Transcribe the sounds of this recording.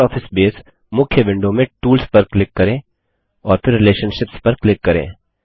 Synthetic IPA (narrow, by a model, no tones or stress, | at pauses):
ɔːfʰɪsbeːs | mʊkʰːjəbɪ̃ɳɖõmẽʈuːlspɐɾklɪkːɐɾẽː | ɔːɾfɪɾːɪleːʃənʃɪpspɐɾklɪkːɐɾḛ̃ː